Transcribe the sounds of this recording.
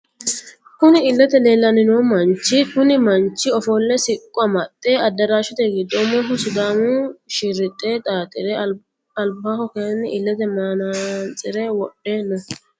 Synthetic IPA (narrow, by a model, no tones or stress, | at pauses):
kʊnɪɪlːɛt̪ɛleːlːɐnɪnoːmɐnt͡ʃːɪkʊnɪmɐnt͡ʃːɪɔfoːlːɛsɪkʼːʊɐmɐt̪ʼːeːɐd̪ːɐɾaːʃʊt̪ɛɡɪd̪ːɔmɔɦʊsʊd̪aːmʊʃɪɾɪt̪ʼːeːt̪ʼaːt̪ʼɪɾɛ | ɐlbahɔkenɪʔɪlːɛt̪ɛmaːnant͡sʼːɪɾɛwɔɗːeːnɔ